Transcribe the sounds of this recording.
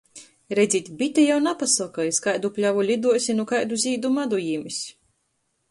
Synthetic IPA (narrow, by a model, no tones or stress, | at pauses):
ɾɛdzʲit̪ʲbʲit̪ʲɛjawnapasakajiskajd̪uplʲavulʲid̪uɔsʲinukajd̪uzʲiːd̪umad̪ujimisʲ